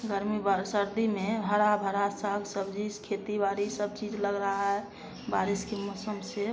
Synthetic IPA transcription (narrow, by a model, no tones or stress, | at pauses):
ɡəɾmibaɾsəɾd̪imebʱəɾabʱəɾasəɡsəbd͡ʒiskʰet̪ibaɾisəb̚t͡ʃid͡ʒləɡɾəɦaɦɛ | baɾiskemɔsəmse